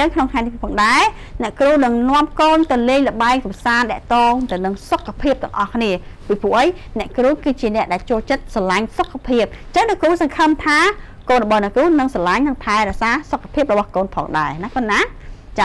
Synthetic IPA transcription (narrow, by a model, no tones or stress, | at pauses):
t͡ɕəŋkʰnoŋt̪ʰŋajt̪ipʰːpʰɑːŋɗaɛ | nɛ̆əʔkruːnɨŋnŏəmkoːnt̪ɨleːjləɓaɛŋkɑmsaːnɗɛ̆əʔt̪oːŋt̪ɨwnɨŋsokʰːapʰiəp̚t̪ɛəŋʔɑhkʰniəpipʰuəʔəj | nɛ̆əʔkruːkɨːt͡ɕiənɛ̆əʔɗaɛlt͡ɕoːlt͡ɕət̪̚salaɲsokʰːapʰiəp̚t͡ɕəŋnɛəʔkuːsɑŋkʰəmt̪ʰaː | koːnrɔɓɑːnɛəʔkuːnɨŋsalaɲnɨŋp̪ʰaɛɾɛsaːsokʰːḁpʰiəp̚rɔɓɑhkoːnpʰɑ̰ːŋɗaɛnakɑnːat͡ɕa